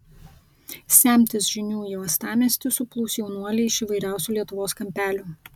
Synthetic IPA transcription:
sʲæːˑmʲt̪ʲɪsʒʲɪnʲuːjoːɐst̪ɑːmʲɛsʲt̪ʲɪsʊplˠuʊsʲjɛʊnuɔlʲɛɪʃiːˑʋɐɪɾʲæˑʊsʲuːlʲiɛt̪ʊʋoːskɐmʲpʲæːlʲuː

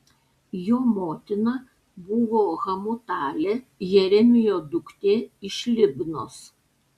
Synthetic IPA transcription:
joːmoːt̪ʲɪnɐ | bʊʋoːɣɐmʊt̪ɑːlʲeː | jɛɾʲɛmʲɪjoːd̪ʊkt̪ʲeːɪʃʲlʲɪbʲnoːs

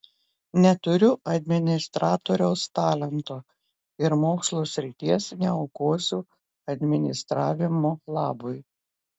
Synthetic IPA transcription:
nʲɛt̪ʊɾʲʊʔɐd̪ʲmʲɪnʲɪst̪ɾɑːt̪oːɾʲɛʊst̪ɑːlʲɛnt̪oː | ɪɾmoːkslˠoːsʲɾʲɪt̪ʲiɛsnʲɛɒʊkoːsʲuː | ɐd̪ʲmʲɪnʲɪst̪ɾɑːʋʲɪmoːlˠɑːbʊj

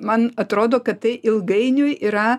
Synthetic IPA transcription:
mɐnɐt̪ɾoːd̪oːkɐt̪t̪ɐɪʔɪlˠɡɐɪnʲʊjiɾɐ

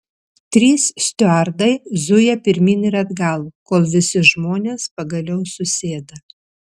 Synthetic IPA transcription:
t̪ʲɾʲiːssʲt̪ʲʊæɾd̪ɐɪzʊjɛpʲɪɾʲmʲiːnɪɾɐd̪ɡɐlˠkoːlˠʋʲɪsʲɪʒmoːnʲeːspɐɡɐlʲɛʊsʊsʲeːd̪ɐ

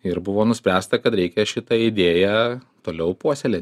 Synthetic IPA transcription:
ɪɾbʊʋoːnʊsʲpʲɾʲæːst̪ɐkɐt̪ɾʲɛɪkʲɛʃʲɪt̪ɐɪd̪ʲeːjɛ | t̪oːlʲɛʊpuɔsʲeːlʲe

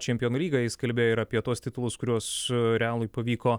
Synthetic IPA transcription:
t͡ʃʲɛmʲpʲɪjoːnuːlʲiːɡɐjɪskɐlʲbʲeːjoɪɾɐpʲiɛt̪uɔst̪ʲɪt̪ʊlˠʊskʊɾʲuɔsɾʲɛaːlˠʊɪpɐʋʲiːkoː

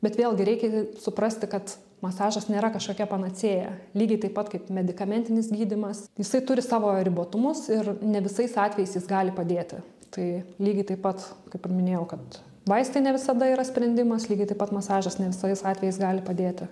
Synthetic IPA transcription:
bʲɛt̪ʋʲeːlˠɡʲɪɾʲɛɪkʲɛsʊpɾɐsʲt̪ʲɪkɐt̪ | mɐsɑːʒɐsnʲeːɾɐkɐʃkoːkʲɛpɐnɐt͡sʲeːjɛ̰lʲiːɡʲɐɪt̪ɐɪpɐt̪kɐɪpmʲɛd̪ʲɪkɐmʲɛnʲt̪ʲɪnʲɪsɡʲiːd̪ʲɪmɐsjɪsɐɪt̪ʊɾʲɪsɑːʋoːɾʲɪboːt̪ʊmʊsɪrnʲɛʋʲɪsɐɪsɑːt̪ʲʋʲɛjɛɪsjɪsɡɑːlʲɪpɐd̪ʲeːt̪ʲɪ̰ | t̪ɐɪlʲiːɡʲɐɪt̪ɐɪpɐt̪kɐɪpɪrmʲɪnʲeːjɛʊkɐt̪ | ʋɐɪsʲt̪ʲeɪnʲɛʋʲɪsɐd̪ɐiːɾɐsʲpʲɾʲɛnʲd̪ʲɪmɐslʲiːɡʲɐɪt̪ɐɪpɐt̪mɐsɑːʒɐsnʲɛʋʲɪsɐɪsɑːt̪ʲʋʲɛjɛɪsɡɑːlʲɪpɐd̪ʲeːt̪ʲɪ

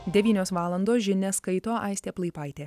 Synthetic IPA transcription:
d̪ʲɛʋʲiːnʲoːsʋɑːlˠɐnd̪oːsʒʲɪnʲɛskɐɪt̪oːʔɐɪsʲt̪ʲeːplˠɐɪpɑɪt̪ʲeː

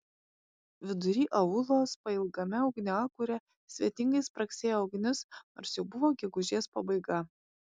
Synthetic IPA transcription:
ʋʲɪd̪ʊɾʲiːʔɐʊlˠoːspɐɪlˠɡɐmʲɛɒʊɡnʲɪɑkuːɾʲɛ | sʲʋʲiɛt̪ʲɪŋɡɐɪspɾɐksʲeːjoːɐʊɡnʲɪsno̰ːɾsjɛʊbʊʋoːɡʲɛɡʊʒʲiːspɐbɐɪɡɐ

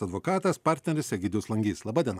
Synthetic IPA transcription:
ɐd̪ʋoːkɑːt̪ɐspɑɾʲt̪ʲnʲɛɾʲʊsʲɛɡʲɪd̪ʊslˠɐŋʲɡʲiːslˠɐbɑːd̪ʲiɛn

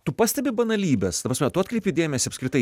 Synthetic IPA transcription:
t̪ʊpɑːsʲt̪ʲɛbʲɪbɐnɐlʲiːbʲɛst̪ɐpɾɐsmʲɛt̪ʊɐt̪kɾʲɛɪpʲɪd̪ʲeːmʲɛsʲɪɐpskʲɾʲɪt̪ɐɪ

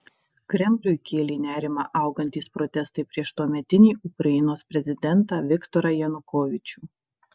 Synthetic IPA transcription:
kɾʲɛmʲlʲʊjkʲeːlʲiːnʲæːɾʲɪmɐʔɐˑʊɡɐnʲt̪ʲiːspɾɔt̪ʲɛst̪ɐɪpʲɾʲiɛʃt̪uɔmʲɛt̪ʲɪnʲiːʔʊkɾɐɪnoːspʲɾʲɛzʲɪd̪ʲɛnt̪ɑːʋʲɪkt̪ɔɾɐjɛnʊkoːʋʲɪt͡ʃʲuː

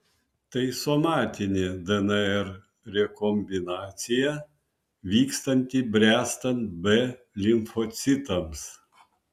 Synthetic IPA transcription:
t̪ɐɪsɔmɑːt̪ʲɪnʲeːd̪ɛnɛɛɾ | ɾʲɛkɔmʲbʲɪnɑːt̪sʲɪjɛ | ʋʲiːkst̪ɐnʲt̪ʲibʲɾʲæːst̪ɐnt̪bɛ | lʲɪmfɔt̪sʲɪt̪ɐms

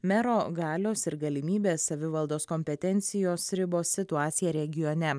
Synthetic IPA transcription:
mʲɛɾoːɡɑːlʲoːsɪɾɡɐlʲɪmʲiːbʲeːsːɐʋʲɪʋɐlˠd̪oːskomʲpʲɛt̪ʲɛnʲt̪sʲɪjoːsɾʲɪboːsːʲɪt̪ʊɑːt̪sʲɪjɛɾʲɛɡʲɪjonʲɛ

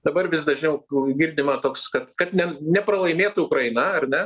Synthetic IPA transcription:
d̪̥ɐbɐɾʋʲɪsd̪ɐʒʲnʲɛʊɡʲɪrʲd̪ʲɪmɐt̪oːkskɐt̪kɐt̪nʲɛnʲɛpɾɐlˠɐɪmʲeːt̪ʊʊkɾɐɪnɐɐrnʲɛ

